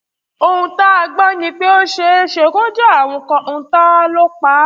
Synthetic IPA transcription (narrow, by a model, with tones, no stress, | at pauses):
o˧ũ˧ta˦a˧ɡ͡ba˦nĩ˧k͡pe˦o˦ʃe˧˦ʃe˧˦˧kõ˦d͡ʒɛ˦a˦˨w̃ɔ̃˧kɔ̃˧ʔo˧ũ˧ta˦lo˦k͡pa˨˦